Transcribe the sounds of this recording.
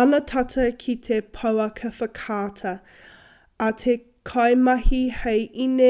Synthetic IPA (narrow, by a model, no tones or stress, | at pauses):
ɐnɐtʰɐtʰɐkʰit̪ʰepʰɐwɐkʰɐfəkʰaːtʰɐ | ɐtʰe | kʰɐjmɐhihejʔine